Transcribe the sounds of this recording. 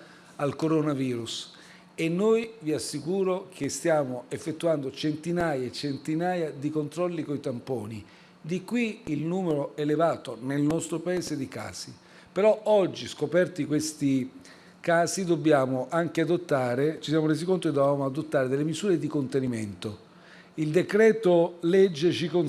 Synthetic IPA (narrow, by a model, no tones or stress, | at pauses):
alkoɾonaviːɾus | enːojviasːikuːɾokʰest̪jaːmoefːet̪ːuand̪ot͡ʃent̪inaːjaet͡ʃent̪inaːjad̪ikont̪ɾɔlːikoit̪ampoːni | d̪ikːwiːlnuːmeɾoelevaːt̪onelnɔst̪ɾopaeːsed̪ika̰ːsi | peɾɔɔd͡ʒːiskopɛrt̪ikwest̪i | kaːsid̪obːjaːmoʔaŋkead̪ot̪ːaːɾet͡ʃisjaːmoɾeːs̬ikont̪oked̪ːobjaːmoad̪ot̪ːaːɾed̪elːemizuːɾed̪ikont̪eniment̪o | ild̪ekɾɛːt̪olɛd͡ʒːet͡ʃikon